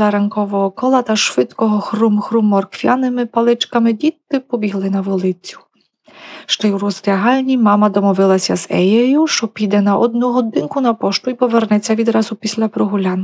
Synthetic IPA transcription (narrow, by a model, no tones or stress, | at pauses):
ɐɾɐnkɔʋɔɦɔkɔlˠɐt̪ɐʃʋɪt̪kɔɦɔxrumxɾumːɔrkʋʲjanɪmɪpɐlˠɪt͡ʃkɐmɪdʲit̪ːɪpɔbʲiɦlˠɪnɐʋɔlˠɪt͡sʲːʊ̥ | ʃt͡ʃɔjuɾɔzɾʲɐɦɑlʲnʲimɑmɐd̪ɔmɔʋɪlˠɐsʲɐzɛjɛjʊʃt͡ʃɔpʲid̪ɛnɐʔɔd̪nuɦɔd̪ɪnkʊnɐpɔʃt̪ʊipɔʋɛrnɛt͡sʲːɐʋʲid̪ɾɑzʊpʲisʲlʲɐpɾɔɦʊlʲan